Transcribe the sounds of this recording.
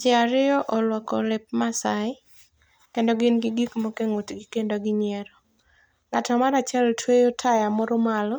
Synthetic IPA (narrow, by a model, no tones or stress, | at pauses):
d͡ʒɛaɾɪɔʔɔlwɔkɔlɪp̚masaɪ | kendoɡɪnɡɪɡikmokeŋotɡɪkendoɡɪɲɛɾɔ | ŋatɔmaɾat͡ʃɛltwejotʰajamɔɾʊmalɔ